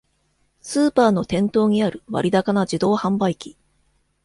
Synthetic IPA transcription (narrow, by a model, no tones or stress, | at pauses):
sɨːpaːno̞t̪ẽ̞nt̪o̞ːɲ̟iaɾɯ̟βa̰ɾʲid̪akanad͡ʑid̪o̞ːhãmbaikʲi̥